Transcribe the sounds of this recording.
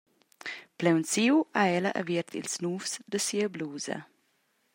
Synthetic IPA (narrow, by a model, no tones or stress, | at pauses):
plɛwnsiwaɛlaʔa̰viɾt̪ʰḭlsnuːfsd̪əsiːəbluːzɐ̰